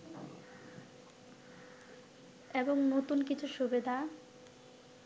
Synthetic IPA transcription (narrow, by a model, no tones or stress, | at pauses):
eboŋnot̪unkit͡ɕʰuʃubed̪ʱa